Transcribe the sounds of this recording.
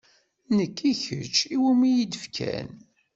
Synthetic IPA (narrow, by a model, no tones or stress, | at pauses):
nəkːiçə̰t͡ʃːiwumijid̪əfkʰæ̰n